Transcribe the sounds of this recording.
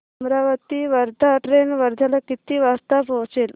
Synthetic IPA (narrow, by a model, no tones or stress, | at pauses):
mɾaʋət̪iʋəɾd̪ʱaʈɾenʋəɾd̪ʱalakit̪iːʋast̪apɦɔ̃t͡sel